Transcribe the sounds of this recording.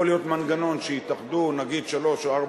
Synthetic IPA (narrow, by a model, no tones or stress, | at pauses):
olijo̞t̪manɡano̞nʃejit̪aχd̪unaɡid̪ʃalo̞ʃoaʁb